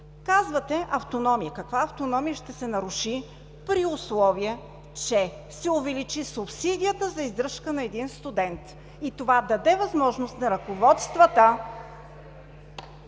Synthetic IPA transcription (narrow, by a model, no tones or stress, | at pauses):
kazvət̪ɛʔɐft̪onɔmijəkɐkvaɐft̪onɔmijəʃt̪ɛsɛnɐɾʊʃi | pɾiʊslˠɔviɛ | t͡ʃɛ | sɛʊvɛlit͡ʃisʊpsid̪ʲijət̪əzɐizd̪ɾɤʃkənɐɛd̪inst̪ʊd̪ɛnt̪ | it̪ovad̪ɐd̪ɛvɐzmɔʒnost̪nɐɾɐkovɔt̪st̪vət̪ə